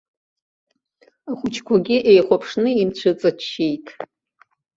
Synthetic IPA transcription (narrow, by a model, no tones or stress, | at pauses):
aχʷʊt͡ʃʰkʷʰaɡʲɪʔejχʷapʰʂnɨimt͡ɕʷʰɨt͡sʼat͡ʃːejtʰʼ